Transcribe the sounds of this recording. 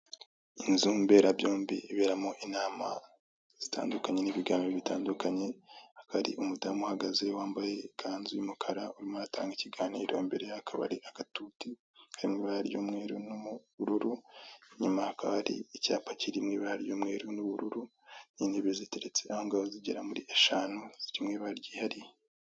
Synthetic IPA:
inzuːmbe̞ːɾabjo̞ːmbiiβe̞ːɾamoʔinaːma | z̥itʰa̰ːndukaɲe̞niβiɡaːmbeβita̰ːndukaɲe̞hḁkaaɾḭʔumudamuhaɡaze̞waːmbaje̞kʰaːnzujumukʰaɾauɾimoatʰa̰ːŋɡiciɡaːniːɾjo̞̰ːmbe̞ɾejaakʰaβa̰ɾiaɡ̥atuːti | haɾimŋeβahaɾijomŋe̞ːɾunumuβuɾuɾuɲumahakʰaβaɾḭicaːpaciɾimŋeβahaɾijomŋe̞ːɾunuβuɾuɾu | niːneβezite̞ɾet͡se̞ʔahoŋɡaβoziɟeɾamuɾiʔeʃanuz̥iɾimŋeβaɾɟiːhaɾije

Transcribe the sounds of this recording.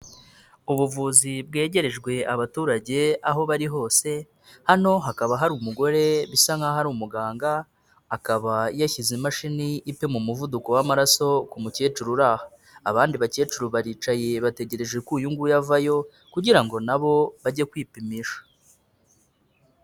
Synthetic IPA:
uβuvuzib̚ɡe̞ːɟe̞ɾe̞ʒɡwe̞aβatuːɾaɟe̞aɦo̞βaɾiɦo̞ːse̞ | hano̞ɦakaβaɦaɾumuɡo̞ɾe̞βisaŋaɦaɾumuɡaːŋɡaː | kaβajaçizimaʃiniːpe̞mumuvuduko̞wamaɾaso̞kumuce̞ːt͡ʃuɾuɾaːhḁː | βaːndiβace̞ːt͡ʃuɾuβaɾiːt͡ʃaje̞βate̞ɟe̞ɾe̞ʒɡekuːjuŋɡujavajo̞ | kuɟiɾaŋɡo̞naβo̞βaɟe̞kwiːpimiʃḁ

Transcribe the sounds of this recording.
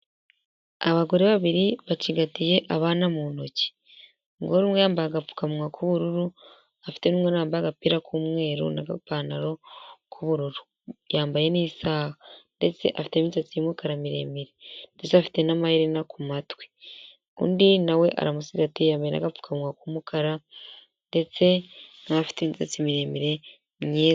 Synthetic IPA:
aβaɡo̞ɾeβaβiɾiβaciɡatije̞ʔaβaːnamuno̞ci̥ | ŋɡoɾimwejaːmbaaɡafu̥kamwakʰuβuɾuɾu | afi̥te̞nuːmwenaːmbaɡapiɾakumwe̞ːɾṵnaɡapaːnaɾo̞kʰuβuɾuɾu | jaːmbaje̞niːsaːhandet͡seʔafi̥te̞mit͡sat͡simukaɾamiɾe̞̰ːmiɾendet͡seafi̥te̞namahiɾenakumatwe | kṵːndinawe̞ʔa̰ɾamusiɡatijaːmbajena̰ɡafu̥kʰamŋakumukʰaɾa | nde̞t͡se̞nafi̥tent͡set͡simiɾe̞miɾe̞ | mɲeː

